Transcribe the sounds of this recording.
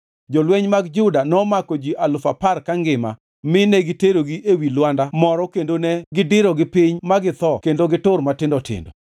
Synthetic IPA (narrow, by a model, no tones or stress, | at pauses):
d͡ʒɔlweɲmaɡd͡ʒʊdanɔmakod͡ʒiʔalʊfaparkaŋɡɪma̰ | mɪnɛɡɪteɾoɡiʔewilwandamɔɾɔkendonɛɡɪdɪɾɔɡɪpɪɲmaɡɪt̪ɔkendoɡɪtʊrmatɪndɔtɪ̰ndɔ̰